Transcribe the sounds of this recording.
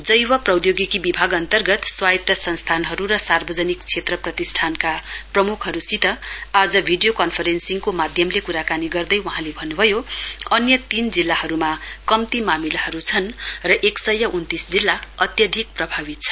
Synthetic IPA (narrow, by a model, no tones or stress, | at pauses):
d͡zʌjwʌprʌwd̪joɡikibibʱaɡʌnt̪ʌrɡʌt̪swajt̪ʌsʌnst̪ʰanɦʌɾuɾʌsarbʌd͡zʌnikt͡sʰet̪rʌprʌt̪isʈʰankaprʌmukʰɦʌɾusit̪ʌad͡zʌbʱiɖijokʌnpʰʌɾensiŋkomad̪ʱjʌmlekuɾakaniɡʌrd̪ʌjwʌɦãlebʱʌnːubʱʌjoʌnjʌt̪ind͡zilːahʌɾumakʌmt̪imamilahʌɾut͡sʰʌnrʌʔeksʌjːʌʔunt̪isd͡zilːaʌt̪jʌd̪ʱik̚prʌbʱabit̪̚t͡sʰʌ̥